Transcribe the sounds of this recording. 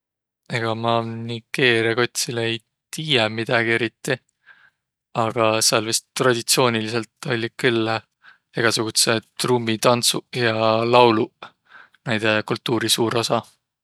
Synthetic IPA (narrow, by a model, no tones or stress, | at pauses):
eɡ̥ɑmɑnike̞ːɾieko̞t̪ʲsileej | t̪iːjemid̪̥ɑɡ̥ie̞ɾit̪ˑːi | ɑɡ̥ɑseɑlvist̪t̪rɑd̪̥ʲit̪sio̞ːnʲilise̞lt̪ːˑo̞lʲːikylːe | eɡ̥ɑsuɡ̥ut̪set̪rumːit̪ɑnt̪sujɑlɑwlu | næjd̪̥ekult̪ːuːɾisuːɾo̞sɑ